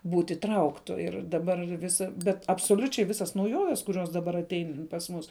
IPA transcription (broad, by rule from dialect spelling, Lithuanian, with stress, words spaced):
ˈbuːtʲ iːˈtrɐʊktʊ ˈɪr dɐˈbɐr ˈʋʲɪsɐ ˈbʲɛt ɐpsoːˈlʲʊt͡ʃʲɛɪ ˈʋʲɪsɐs nɐʊˈjoːʋʲɛs kʊˈrʲoːs dɐˈbɐr ɐˈtʲɛɪn pɐs ˈmʊs